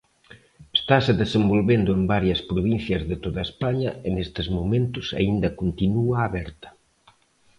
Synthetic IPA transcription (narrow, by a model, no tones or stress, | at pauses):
est̪asɪðesembolβend̪ʊembaɾjɐspɾoβin̟θjɐzðet̪oðɐespaɲɐɪnest̪ɪzmomẽnt̪ʊsa̰ind̪ɐkont̪inuaːβɛɾt̪ɐ̥